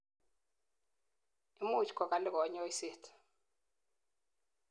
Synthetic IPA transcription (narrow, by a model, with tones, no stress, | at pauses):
i˦mu˦˨t͡ʃkɔ˨ka˨lɪ˦kɔ˨˦ɲɔ˦i˦se˦˨tʰ